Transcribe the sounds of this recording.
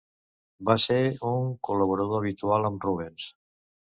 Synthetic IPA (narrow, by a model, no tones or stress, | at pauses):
baseɾuŋkuləβ̞uɾəðoəβit̪ualəmruβ̞ens